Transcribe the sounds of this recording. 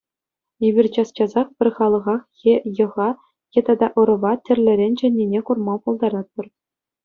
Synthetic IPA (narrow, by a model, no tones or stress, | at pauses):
ebʲirʲt͡ɕɑst͡ɕɑzɑχpʲɘ̆rʲχɑlˠɤ̆ʁɑχxʲejɤ̆ʁɑ | xʲet̪ɑd̪ɑʔɤ̆ɾɤ̆ʋɑtʲɘ̆rʲlʲɘ̆ɾʲenʲd͡ʑɘ̆nʲːinʲekurmɑpulˠd̪ɑɾɑt̪̚pɤ̆r